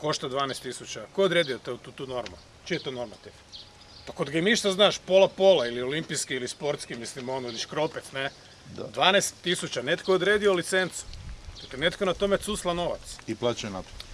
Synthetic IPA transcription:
ko̞ʃt̪ad̪ʋaːnest̪isut͡ʃakojeod̪ɾeːd̪iot̪ot̪ut̪uːno̞ɾmṵ | t͡ʃijet̪ono̞ɾmat̪iʋ | pakod̪ɡaimniʃt̪aznaːʃpo̞lapo̞lˠailio̞limpiskiilispo̞ɾt̪skimislimonoiliʃkɾopɛt̪sne | d̪ʋaːnest̪ːisut͡ʃane̞t̪kood̪ɾeːd̪iolit̪sent̪su̥d̪aklenet̪konat̪o̞met̪suslˠano̞ʋa̰t̪siplˠat͡ʃanat̪o̥

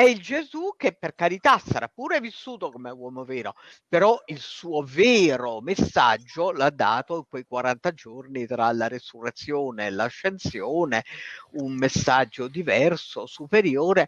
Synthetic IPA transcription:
ɛild͡ʒezuk̟ːepːerkaɾit̪asaɾapːuːɾɛvisːuːt̪okomɛwɔːmovɛːɾo | peɾɔilsuːovɛːɾomesːad͡ʒːolad̪ːaːt̪oiŋkwejkwaɾant̪ad͡ʒornit̪ɾalaɾesurːet̪sːjoːneːlaʃːent̪sjoːneunmesːad͡ʒːod̪ivɛrsosupeɾjoːɾe

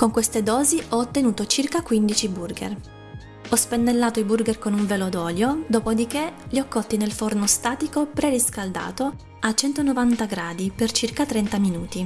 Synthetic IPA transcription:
koŋkwest̪ed̪ɔːziɔːt̪ːenuːt̪ot͡ʃirkakwind̪it͡ʃiburɡḛr | ɔspenːelːaːt̪oiburɡerkonuɱvelod̪ɔːljod̪oːpod̪ikeliɔkːɔt̪ːinelfornost̪aːt̪ikopɾɛriskald̪a̰ːt̪o | at͡ʃːɛnt̪onovant̪aɡɾaːd̪ipert͡ʃirkat̪ɾɛnt̪aminuːt̪i

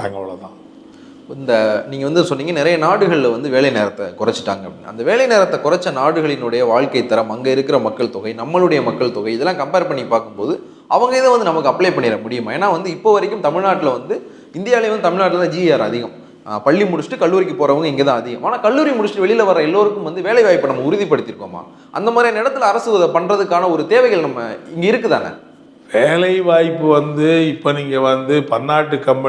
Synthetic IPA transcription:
ɐŋɡɐɭɐ̰t̪ã̰ː | ɪnd̪ɐniːŋɡɐʋɐnd̪ɯnsɔnːiːŋɡɐnɪɾɐjɐnaːɽɯɣɐɭlʋɐnd̪ɯʋeːɭɐjneːɾɐt̪ːɐkʊrɐt͡ʃːɯ̥ʈːaːŋɡɐpbɽḭnːɐ̰ɐ̰nd̪ɐʋeːɭɐjneːɾɐt̪ːɐkʊrɐt͡ʃːɐnaːɽɯɣɐɭɪnɯɽɐjɐʋaːɭkɐɪt̪ːɐɾɐmɐŋɡɐɪɾɯkːɪɾɐmɐkːɐɭt̪ɔɣɐɪnɐmːɐɭɯɽɐjɐmɐkːɐɭt̪ɔɣɐɪɪðɛlːãːkɐmpeːɾpɐɳːɪkːɯpːaːɾkɯmpoːðɯ | ɐʋɐŋɡɐɪðɯ̃ʋɐnd̪ɯnɐmɐkːɯɐpɭejpɐɳːɪɾɐmʊɽɪjɯmãeːnːaːʋɐnd̪ɯɪpːoːʋɐɾɛkːɯmt̪ɐmɪɻnaːʈːɪlɐʋɐnd̪ɯ | ɪnd̪ɪjaːlɪʋɐnd̪ɯt̪ɐmɪɻnaːʈ̬ːɪlɐt̪ːãd͡ʒiːjaːɾɐ̰ðɪɣɐm | pɐɭːimʊɽʊsʈːɯkɐɭːuːɾɪk̬ːɯpoːɾɐʋɯŋɡɐɪŋɡeːt̪ãːɐðɪɣɐmʔaːnaːkɐɭːuːɾimʊɽʊsʈːɯʋɛɭɪjlɐʋɐɾɐɛlːoːɾɯkːɯmʋɐnd̪ɯʋeːlɐɪʋaːjpːɯnɐmːɐʊɾɯðipːɐɽɯt̪ːɪɾɯkːoːma̰ː | ʔɐ̰nd̪ɐmaːðɾiɐnɪɽɐt̪ːɪlɐɐɾɐsɯʋɐðɐpɐɳrɐðɯkːaːnɐɔɾɯt̪eːʋɐɪɣɐɭnɐmːɐ̰ɪŋɡɐɪɾɯkːɯt̪a̰ːnɐ̰ | ʋeːlɐɪʋaːjpːɯʋɐnd̪ɯɪpːoːniːŋɡɐʋɐnd̪ɯpɐnːaːʈːɯkːɐmp

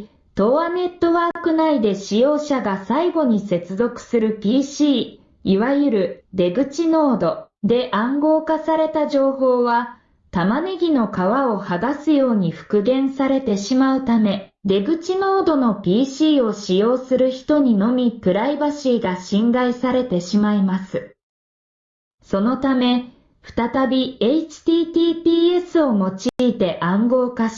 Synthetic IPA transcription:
t̪o̞ane̞t̪ːo̞βaːkɯ̟naid̪e̞ɕijo̞ːɕaɡasaiɡo̞ɲ̟ise̞t͡sɨzo̞kɯ̟̥sɨɾɯ̟pʲiːɕiː | iβajɯ̟ɾɯ̟d̪e̞ɡɯ̟t͡ɕino̞ːd̪o̞ | d̪e̞ʔãŋɡo̞ːkasaɾe̞t̪aʑo̞ːɦo̞ːβa | t̪amane̞ɡʲino̞kaβao̞haɡasɨjo̞ːɲ̟iɸɯ̟̥kɯ̟ɡẽ̞ɰ̃saɾe̞t̪e̞ɕimaɯ̟t̪ame̞d̪e̞ɡɯ̟t͡ɕinoːd̪o̞no̞pʲiːɕiːo̞ɕijo̞ːsɨɾɯ̟çi̥t̪o̞ɲ̟ino̞mʲikɯ̟ɾaibaɕiːɡaɕĩŋɡaisaɾe̞t̪e̞ɕimaimasɨ | so̞no̞t̪ame̞ | ɸɯ̟̥t̪at̪abʲieit͡ɕi̥t̪iːt̪ʲiːpʲiːe̞sɨo̞mo̞t͡ɕiːt̪e̞ʔãŋɡo̞ːkaɕi̥

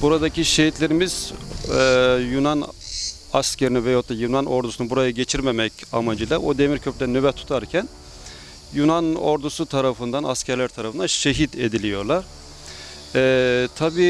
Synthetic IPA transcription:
buɾad̪aciʃeɦit̪lʲe̞ɾimiz̥ | junan | ascʰeɾinivɛjot̪ːajunanʔo̞ɾd̪usunbuɾajaɟe̞t͡ʃʰiɾme̞mɛca̰mad͡ʒɯlˠaod̪e̞miɾcʰøpld̪ænybɛt̪ʰːu̥t̪ʰaɾcʰæn | junano̞̰ɾd̪usut̪ʰaɾafɯnd̪anascʰæɾlʲæɾt̪ʰaɾafɯnd̪anʃeɦid̪e̞d̪ilʲijo̞ɾlˠaɾ̥ | ɛt̪ʰabiː

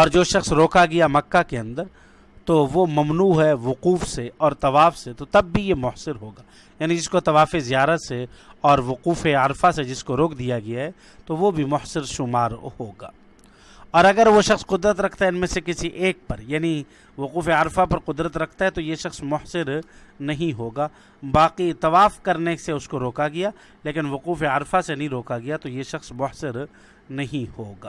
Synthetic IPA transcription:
ɔːɾd͡ʒoːʃɐxsɾoːkaɡɐjamɐkːakeɐ̃nd̪əɾ | t̪oʋomɐmnuːɦɛʋʊquːfseɔːɾt̪ɐʋaːfset̪ot̪ɐbːʱijemʊhsɪɾɦoːɡaː | jaːnid͡ʒɪskot̪ɐʋaːfezijaːɾət̪seɔːɾʋʊquːfeaɾfased͡ʒɪskoɾoːkʰd̪ijaɡɐjaɦɛ | t̪oʋobʱimʊhsɪɾʃʊmaːɾhoːɡa̰ː | ɔːɾɐɡəɾʋoʃɐxsqʊd̪ɾət̪ɾɐkʰt̪aɦɛɪnmẽsekɪsiʔeːk̚pɐɾjaːni | ʋʊquːfeaɾfapɐɾqʊd̪ɾət̪ɾɐkʰt̪aɦɛt̪ojeʃɐxsmʊhsɪɾ | nɐɦĩɦoːɡaː | baːqit̪ɐʋaːfkɐɾneseʊskoɾoːkaɡɐjaː | leːkɪnʋʊquːfeaɾfasenɐɦĩɾoːkaɡɐjat̪ojeʃɐxsmʊɦsɪɾ | nɐɦĩhoːɡaː

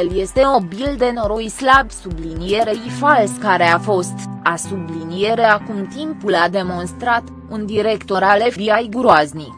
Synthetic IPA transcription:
elje̞st̪e̞nobild̪e̞no̞ɾojslabsublinije̞ɾe̞ifalskaɾe̞afo̞st̪asublinije̞ɾe̞akumt̪impulad̪e̞mo̞nst̪ɾat̪ | und̪iɾe̞kt̪o̞ɾale̞fbiajɡuɾoazni

